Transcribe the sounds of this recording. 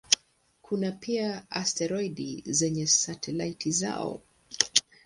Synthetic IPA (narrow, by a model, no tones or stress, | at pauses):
kʰunapiaastɛɾɔiɗizɛɲɛsatʰɛlaitʰiza̰ɔ̰